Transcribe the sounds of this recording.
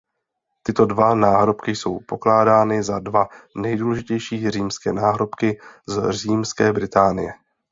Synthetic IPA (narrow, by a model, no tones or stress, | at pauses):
t̪ɪt̪odvanaːɦɾo̞pkɪjso̞wpo̞klaːdaːnɪzadvanɛjduːlɛʒɪcɛjʃiːriːmskɛːnaːɦɾo̞pkɪzriːmskɛːbɾɪt̪aːnɪ̰jɛ